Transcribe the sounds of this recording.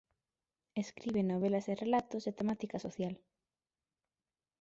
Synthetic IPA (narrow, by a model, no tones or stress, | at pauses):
eskɾiβenoβelɐserelat̪oset̪emat̪ikasoθjal